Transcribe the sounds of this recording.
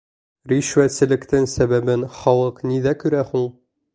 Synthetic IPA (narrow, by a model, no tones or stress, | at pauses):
ɾiʃwæt̪sɘ̆lɘ̆kt̪ɘŋsæβæbɘnχɒlˠɤqniðækɵ̆ɾæhuɴ